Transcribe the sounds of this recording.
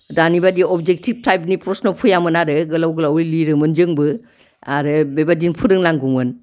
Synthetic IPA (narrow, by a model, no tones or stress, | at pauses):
danibadiɔbd͡ʒek̚tib̚tʰajp̚nipɾɔsnɔlpʰujamɯnaɾɯɡɯlawɡɯlawiliɾɯmɯnd͡ʒɯŋbɯ | aɾɯbebadinpʰuɾɯŋnaŋɡumɯn